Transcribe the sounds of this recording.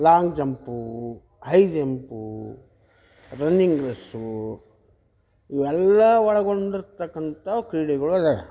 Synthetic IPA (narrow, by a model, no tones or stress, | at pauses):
laːŋɡd͡ʒɐmpu | hɐjd͡ʒɐmpu | ɾɐnːiŋɡɾɐsu | iʋɛlːɐʋɐɭɐɡoɳɖiɾt̪ɐkːɐnt̪ɐkɾiːɽiɡɐɭuɐd̪e